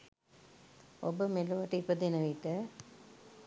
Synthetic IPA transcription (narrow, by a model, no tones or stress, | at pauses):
obəmeluʋɐʈːɐipɐd̪enɐʋiʈːə